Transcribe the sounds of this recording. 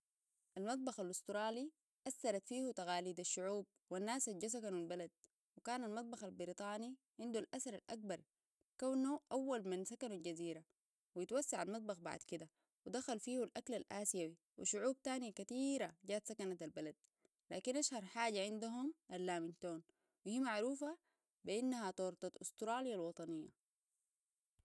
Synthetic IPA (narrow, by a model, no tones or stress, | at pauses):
ʔalmɑt̪̚ˤbɑxalʔust̪ɾˤɑːli | ʔasːɑɾˤɑt̪fiːhut̪aɣaːliːd̪aʃːʊʕuːb̚wanːaːsad͡ʒas̬akanualbalad̪̚ | wikaːnalmɑt̪ˤbɑxalbɪɾit̪ˤɑːni | ʕɪnd̪ulʔasaɾˤalʔak̚bɑɾˤ | kawnːuʔawːalmansakanulɟaziːɾa | wijit̪wasːaʕalmɑt̪̚ˤbɑxba̰ʕd̪kid̪a | wid̪axalfiːhulʔaklalʔaːsijawi | wḭʃʊʕuːb̚t̪aːnijakat̪iːɾaɟaːt̪sakanat̪albalad̪̥̚ | laːkinʔaʃhɑɾˤħaːɟaʕind̪uɦumʔalːaːmint̪oːn | wihiːmaʕɾuːfa | biʔinːahat̪ˤoːɾt̪ˤɑt̪ʔʊst̪ɾɑːlijalwɑt̪ˤɑnijːa̰